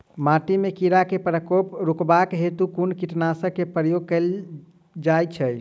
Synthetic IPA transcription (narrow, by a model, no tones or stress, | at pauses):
maʈimekiɾakepɾəkopɾukbakɦet̪ukunkiʈnasəkːepɾəjoɡ̚kəl | d͡ʒajt͡ʃʰəj